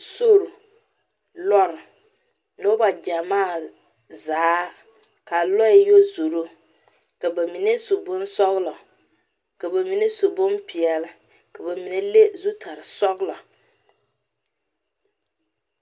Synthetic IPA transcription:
so˦ɾu˨ | lɔ˦ɾɪ˨ | no˦ba˨d͡ʒa˨maː˦˨ | zaː˦ | ka˨lɔ˦jɪ˦jo˦zu˨ɾo˦ | ka˨ba˨mi˨ne˦so˨bʊ˦nsɔ˦ɣlɔ˨ | ka˨ba˨mi˨ne˦so˨bʊ˦npi˨ɛ˨lɨ˨ | ka˨ba˨mi˨ne˦le˦zu˦tʰa˨ɾɨ˨sɔ˦ɣlɔ˨

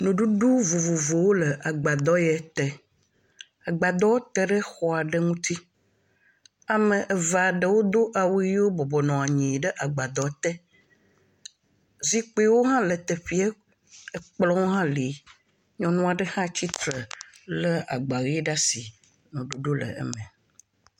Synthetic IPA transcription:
nũ˨ɖu˦ɖo˦vo˨vo˨vo˨wo˦lə˨ʔa˨ɡ͡ba˨d̪ɔ˦jɛ˨˦t̪ɛ˨ | a˨ɡ͡ba˨d̪ɔ˦wo˦t̪ɛ˦ɖə˦xɔ˦a˨ɖə˦ŋũ˦t̪i˦ | a˨mə̃˨ʔə˨va˨ɖə˦wo˦d̪o˦ʔa˨wu˦ɣi˦wo˦bɔ˨bɔ˨nɔ̃˨a˨ɲĩ˨ɖə˦ʔa˨ɡ͡ba˨d̪ɔ˨˦t̪ɛ˦ | zi˦k͡pːwo˦ɦã˦lə˨t̪ə˨ɸi˦ɛ˦ | ə˨k͡plɔ̃˦wo˦ɦã˦li˨˦ | ɲɔ̃˨nɔ̃˦a˨ɖə˦hã˦t͡ɕi˦t̪ɾə˨ | lə˦a̰˨ɡ͡ba˨ɣi˦ɖa˦si˨ | nũ˨ɖo˨ɖo˦lə̰˨ə̰˦mɛ̃˨

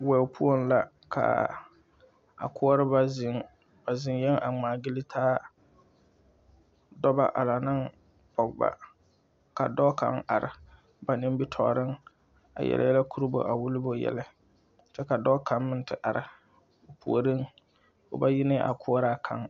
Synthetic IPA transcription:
wɛ˨pʰu˦o˦n˦la˨ | kʰa̰˨ | a̰˨kʊ˦ɔ˦ɾɨ˦ba˦zɪ˨ŋ | ba˨zɪ˦n˦jɛ˦ŋʔa̰˨ŋ͡maː˨ɡɪ˦lɪ˦tʰaː˦ | dɔ˦ba̰˦ʔa˨la˨nɨ˦ŋ | pɔ˨ɡba̰˦ | ka˨dɔ˦ka̰˦ŋa˨ɾɪ˨ | ba˨nɪ˦m˦bi˦tʰɔ̰˨ɾɨ˦ŋ | a̰˨jɛ̰˨la̰˨jɛ˦la˦kʰu˦ɾɨ˦bo̰˨ʔa˨wʊ˦lɪ˦bo˦jɛ̰˨la˦ | t͡ʃɛ˦ka˨dɔ˦kʰa˨mːɨ˦n˦tɨ˨ʔa˨ɾɪ˨ | o˨pu˨o˨ɾɪ˦ŋ | o̰˨ba˦jɪ˦nɪ˦ʔa̰˨kʰʊ˦ɔ˦ɾa˦kʰa˨ŋ

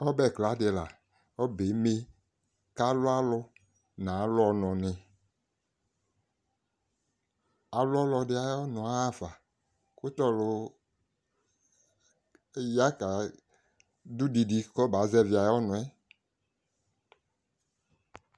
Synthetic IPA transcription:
ɔ˦bɛ˦˨kla˨˦de˨la˨ | ɔ˦be˨˦me˦ | ka˦lʊ˦a˦lʊ˦ | nã˨˦lɔ˨nɔ̃˨nɪ̃˨ | a˨lʊ˦ɔ˦lɔ˧ɖɪ˨˦a˨jɔ˦nɔ̃˨a˦va˨ | kʊ˦t̪ɔ˦lʊ˨˦ | ja˦ka˨ | du˦di˨di˨kɔ˦ba˨˦zɛ˦vi˨˦a˨jɔ˦nʊ̃˨ɛ˦

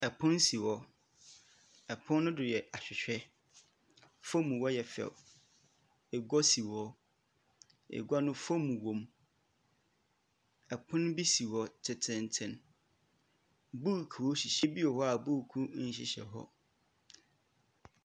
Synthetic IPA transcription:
ɛ˨pʰʊ̃˦nsi˨wɔ˨ | ɛ˨pʰʊ̃˦nːʊ̃˦dʊ˨jɛ˨ʔa˨ɕᶣɪ˨ɕᶣɛ˦ | fõ˦mũ˨wɔ˦jɛ˨fɛ̰˨ | ɛ˨ɡɔ˦si˨wɔ˦ | ɛ̰˨ɡʷa˦nʊ̃˦fõ˦mũ˨wõ˨m | ɛ˨pʰʊ̃˦n˦bi˦si˨wɔ˨tʰɪ˨tʰɪ̃˨n˨tʰɪ̃˨n | bu˦˨kʰu˨wɔ˦ɕi˨ɕɛ˦bi˦ɔ˨hɔ˦a˨bu˦˨kʰũ˦ɕɪ̰˨ɕɛ̰˨ɦɔ̰˦

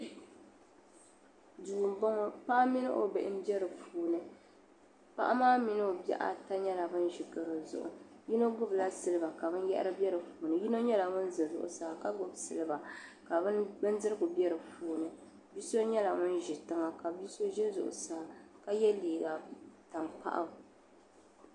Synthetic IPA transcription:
duː˨m˦bɔ˦ŋɔ˦pa˦ʔa˦mi˦nɨ̰˦ʔo̰˨bɛ˨ʔɪ˦m˦bɛ˦ɾɨ˨fuː˨nɨ˦ | pa̰˦ʔa˦maː˦mi˦nɨ˦o˨bɛ̰˦˨ʔa̰˨ta˦ɲɛ˦la˨bɨ˦nʒi˨ɡɨ˨ɾɨ˨zʊ̰˨ʔʊ̰˨ji˦no˦ɡʊ˦bla˦sɨ˦lɨ˦ba˨ka˨bɨ˦n˦jɛ˦ʔɪ̰˦ɾɨ˦bɛ˦ɾɨ˨fuː˨nɨ˦ji˦no˦ɲɛ˦la˨ŋʊ˦n˦zɨ˨zʊ̰˨ʔʊ̰˨saː˨ka˦ɡʊ˨bsɨ˨lɨ˦ba˨ka˨bɨ˦nbɨ˦n˦dɨ˦ɾɨ˦ɡʊ˨bɛ˦ɾɨ˨fuː˨nɨ˨ | bi˦so˦ɲɛ˦la˨ŋʊ˦n˦ʒi˨tɨ˦ŋa˨ka˨bi˦so˦ʒɛ˦zʊ̰˨ʔʊ̰˨saː˨ka˦jɛ˦liː˨ɡa˨ta˨ŋpa̰˦ʔa̰˨

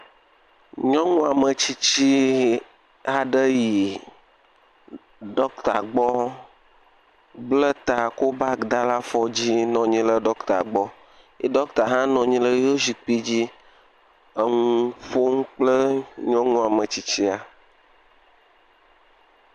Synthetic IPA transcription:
ɲɔ̃˦ŋũ˦a˨mə˨t͡ɕi˦t͡ɕi˦ | a˨ɖə˦ji˨ | ɖɔ˦kt̪a̰˨ɡ͡bɔ˦ | blə˦t̪a˨ko˦ba˦ɡd̪a˦la˦fɔ˦d͡ʑi˦nɔ̃˨ɲĩ˦lə˦ɖɔ˦kt̪a̰˨ɡ͡bɔ˦ | i˦ɖɔ˦kt̪a˨ɦã˦nɔ̃˨ɲĩ˦lə˦jo˦zi˨k͡pi˦d͡ʑi˦ | ə˦ŋũ˦fo˦ŋũ˦k͡plə˦ɲɔ̃˦ŋũ˦a˨mə̃˨t͡ɕi˦t͡ɕi˦a˨

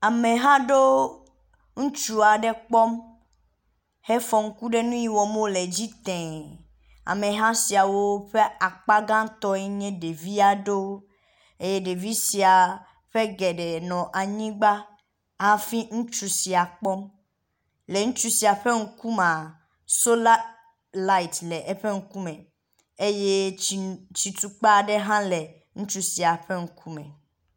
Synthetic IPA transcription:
a˨mẽ˨ɦã˦ɖo˦ | ŋũ˦t͡ʃu˨a˨ɖe˦k͡pɔ˦m | he˦fɔ˨ŋ̩˦ku˦ɖe˦nũ˦ji˦wɔ˨mõ˦le˨d͡ʑi˦t̪ɛ̃˨ | a̰˨mẽ˨ɦã˦si˨a˨wo˦ɸe˦a˨k͡pa˦ɡã˦t̪ɔ˦ɛ˦ɲɛ̃˦ɖe˨vi˦a˨ɖo˦ | e˦je˦ɖe˨vi˦si˨a˨ | ɸe˦ɡɛ˨ɖe˨nɔ̃˨ʔa˨ɲĩ˦ɡ͡ba˦ | a˦fi˦ŋũ˦t͡ʃu˦si˨a˨k͡pɔ˦m | le˨ŋũ˦t͡ʃu˦si˨a˨ɸe˦ŋ̩˦ku˦mã˨ | so˦l | la˦i˨tlɛ˨ʔe˦ɸe˦ŋ̩˦ku˦mɛ̃˨ | e˦je˦˨ | t͡ʃi˨t̪u˨k͡pa˦˨ɖe˦ɦã˦le˨ | ŋũ˦t͡ʃu˦si˨a˨ɸe˦ŋ̩˦kʰu˦mɛ̰̃˨

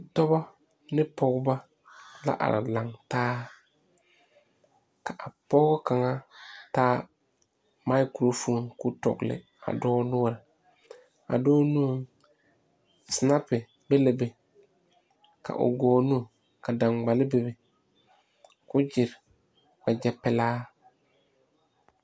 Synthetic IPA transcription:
tɔ˦ba˦ | nɪ˦pɔ˦ɡba˦ | la̰˦ʔa̰˨ɾa̰˨la˨ŋtaː˦ | ka˨ʔa˨pɔ˦ɡʊ˦ka˨ŋa˦taː˦ | ma˦ɪ˦ku˨ɾo˦fu˦ŋkʊ˦tɔ̰˨ɡlɪ̰˨ | a̰˨dɔː˦nʊ˦˨ɾɪ˨ | a̰˨dɔː˦nu˦ŋ | sna˦pɪ˨ | be˦le˨be˨ | kʰa̰˨ʔʊ̰˨ɡɔː˨nu˦˨ | ka˨da˨ŋɡ͡ba˨lɪ˦be˨be˨ | kʊ˦d͡ʒɪ˨ɾ | ba˨d͡ʒɛ˦pɛ˦laː˦

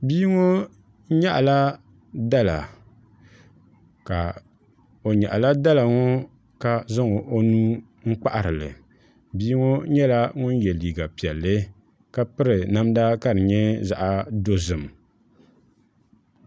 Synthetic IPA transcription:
biː˦ŋo˦ | ɲa˦ʔla˦ | da˦la˨ | ka˨ | o˨ɲa̰˨ʔa˨la˦da˦la˨ŋɔ˦ | ka˨zɨ˦ŋo˨ʔo˦nuː˦ | ŋ̩˦k͡pa˦ʔa˨ɾɨ˨lɨ̰˨ | biː˦ŋo˦ɲɛ˦la˦ŋʊ˦njɛ˨liː˨ɡa˨pi˨ɛ˨lːɨ˦ | ka˦pɨ˦ɾɨ˨na˦mda˦ka˦ɾɨ˨ɲɛ˦za˦ʔa˦do˦zɨ˨m˨

